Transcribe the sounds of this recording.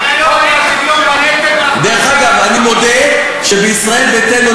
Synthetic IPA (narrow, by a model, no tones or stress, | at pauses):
d̪ɛʁeχaɡavanimod̪ɛ | ʃebəisʁaɛlbet̪ɛno